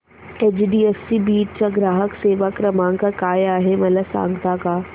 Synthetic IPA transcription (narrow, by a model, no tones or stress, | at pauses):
eːd͡ʑɖiːesːibiːʈt͡ɕaɡɾaːɦəkseːʋakɾɐmãːŋkakaːjaːɦemɐləsã̰ːŋɡt̪akaː